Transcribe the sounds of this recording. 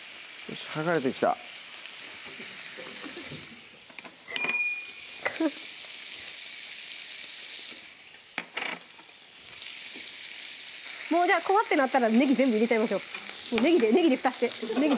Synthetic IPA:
jo̰ɕi̥haɡaɾe̞t̪e̞kʲi̥t̪a̰ | mo̞ːd͡ʑaːko̞βat̪ːe̞nat̪ːaɾane̞ɡʲizẽ̞mbɯ̟iɾe̞t͡ɕaimaɕo̞ːmoːne̞ɡʲid̪ene̞ɡʲid̪eɸɯ̟̥t̪aɕt̪eneɡʲi

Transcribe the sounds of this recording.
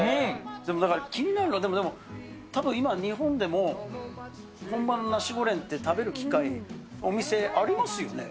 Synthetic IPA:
d̪emo̞d̪akaɾakʲiɲ̟inaɾɯ̟nod̪e̞mo̞d̪e̞mo | t̪abɯ̃imaɲ̟iɦõ̞nd̪e̞mo̞ | hõ̞mbanonaɕiɡo̞ɾẽ̞nt̪ːe̞t̪abe̞ɾɯ̟kʲi̥kaiomʲise̞ʔaɾʲimasɨjo̞ne̞

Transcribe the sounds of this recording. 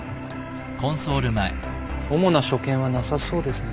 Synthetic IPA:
kõ̞ɰ̃soːɾɯ̟maḛ | o̞mo̞naɕo̞kẽ̞ɰ̃βanasaso̞ːd̪e̞sɨn

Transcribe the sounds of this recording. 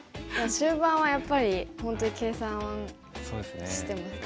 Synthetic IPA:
jɕɨːbãɰ̃ajapːaɾʲihõ̞nt̪o̞ɲike̞ːsãɰ̃ã | sod̪esnɕi̥t̪e̞masɨ̥

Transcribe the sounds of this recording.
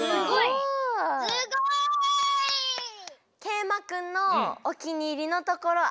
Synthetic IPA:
ɡo | ke̞ːmakɯ̟̃nːoːkʲiɲ̟iɾʲinot̪o̞ko̞ɾo

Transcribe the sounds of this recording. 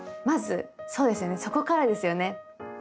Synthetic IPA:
mazɨ̰so̞ːd̪e̞sɨjo̞ne̞so̞ko̞kaɾad̪e̞sɨjo̞ne̞

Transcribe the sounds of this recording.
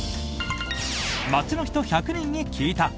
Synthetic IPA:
mat͡sɨno̞çi̥t̪o̞çakɯ̟nẽ̞ɲːikʲʰiːt̪a

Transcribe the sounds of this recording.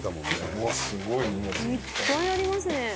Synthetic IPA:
t̪amõasɨɡoii | kãĩaɾʲimasɨnẽ

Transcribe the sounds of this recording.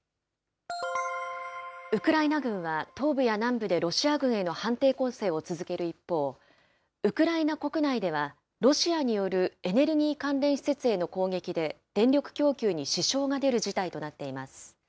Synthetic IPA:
ɯ̟kɯ̟ɾainaɡɯ̟̃ɰ̃βat̪o̞ːbɯ̟janãmbɯ̟d̪e̞ɾo̞ɕiaɡɯ̟̃ɰ̃e̞no̞hãnt̪e̞ːko̞se̞ːo̞t͡sɨzɨke̞ɾɯ̟ipːo̞ː | ɯ̟kɯ̟ɾainako̞kɯ̟naid̪e̞β̞a | ɾo̞ɕiaɲ̟ijo̞ɾɯ̟e̞ne̞ɾɯ̟ɡʲiːkãnɾẽ̞ɰ̃ɕi̥se̞t͡sɨe̞no̞ko̞ːɡe̞kʲid̪e̞d̪̥ẽ̞nɾʲo̞kɯ̟̥kʲo̞ːkʲɨːɲ̟iɕiɕo̞ːɡad̪e̞ɾɯ̟ʑit̪ait̪o̞nat̪ːe̞imasɨ̥

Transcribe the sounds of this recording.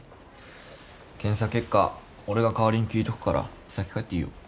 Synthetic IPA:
kẽ̞ɰ̃sakʲe̞kːa | o̞ɾe̞ɡakaβaɾʲiɲ̟ikʲiːt̪o̞kɯ̟̥kaɾʔa̰̥ | sakʲe̥kaet̪ːeijo̰

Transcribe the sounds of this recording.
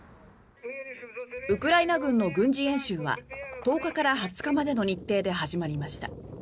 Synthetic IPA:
ɯ̟kɯ̟ɾainaɡɯ̟̃nːo̞ɡɯ̟̃ɲ̟d͡ʑiẽ̞ɰ̃ɕɨːβa̰t̪o̞ːkakaɾaɦat͡sɨ̥kamad̪e̞no̞ɲ̟it̪ːe̞ːd̪e̞ɦaʑimaɾʲimaɕi̥t̪a̰

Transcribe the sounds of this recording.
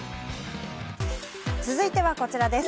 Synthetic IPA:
t͡sɨzɨit̪e̞βako̞t͡ɕiɾad̪e̞s

